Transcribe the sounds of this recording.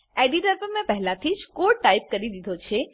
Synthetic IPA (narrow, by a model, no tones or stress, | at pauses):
eɖiʈəɾpəmẽpɛɦlãt̪ʰid͡ʒkoɾʈaip̚kəɾid̪id̪ʱot͡ʃʰe